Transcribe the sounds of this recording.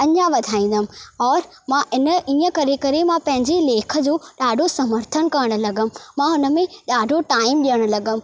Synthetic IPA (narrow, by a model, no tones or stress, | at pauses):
ɐɲãʋɐd̪ʱaːĩːn̆d̪əm̆ɔːɾ | mãʔɪnə̆iːə̃kɐɾekɐɾemãpɐ̃ɦɪ̃ɲd͡ʑileːkʰə̆d͡ʑoːɗaːɖʱosɐməɾt̪ʰənkɐɾəɽ̃ʊ̆lɐɡəm̆mãʊnə̆mẽɗaːɖʱoʈaːɪmɗijəɽ̃ʊ̆lɐɡəm̆